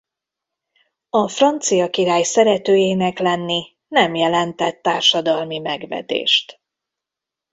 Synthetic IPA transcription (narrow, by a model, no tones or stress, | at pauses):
ɒfrɒnt̪sijɒkiɾaːjsɛɾɛt̪øːjeːnɛklɛnːi | nɛmjɛlɛnt̪ɛt̪ːaːrʃɒd̪ɒlmimɛɡvɛ̰d̪ḛːʃt̪